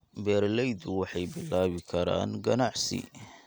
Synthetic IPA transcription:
bɛːɾlɛjd̪ʊwɑħɑjbɪlːaːβɪkʰɐɾa̰ːnɡɐnaʕsḭ

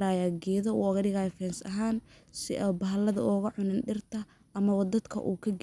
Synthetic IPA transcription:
ɾaːjaɡɛːðɐṵːɐɣɐɽɪɣaːjɔfɛːnsɐ̰ɦaːnsɪ̰ʔɔːbɐɦɐlɐðɐ̰ʔɔɣɐʕʊnɪnɖɪrt̪ʰɐ | ʔɐmɐβɔd̪ɐd̪kʰɐ̰ʔṵːkʰɐɡ

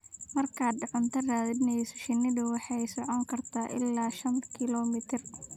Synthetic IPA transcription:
mɐrkʰaːd̪̚ɖɑqɑnt̪ʰɐraːðɪd̪nɛsʊ̥ʃɪnɪðʊwɑħɑjsɔʕɔŋkʰɐrt̪ʰaːʔɪlːaːʃɐnkʰɪlɔːmɪt̪ʰɪr

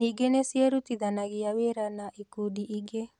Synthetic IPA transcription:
iɡenesiɛɾut̪iðanaɣiaweɾanaʔikudiʔiɡe

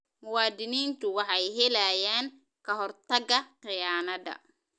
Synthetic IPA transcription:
mʊwɑːd̪ɪniːnt̪ʰʊwɑħɑjɦɛlɐjaːn | kʰɐɦɔrt̪ʰɐɡɐqɪjaːmɐd̪ɐ̰

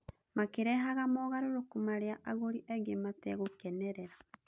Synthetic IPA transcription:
makeɾɛɦaɣamɔɣaɾoɾokumaɾeaʔaɣoɾiʔɛɡematɛɣokɛnɛɾɛɾa

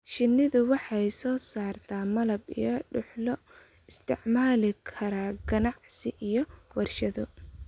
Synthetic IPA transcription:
ʃɪnːɪðʊwɑħɑjsɔːsaːrt̪ʰaːmɐlɐbḭjɔɖʊħlɔ | ɪst̪ʰɪ̰ʕmaːlɪkʰɐɾaːɡɐnɑʕsɪʔijɔwɐrʃɐðɔ

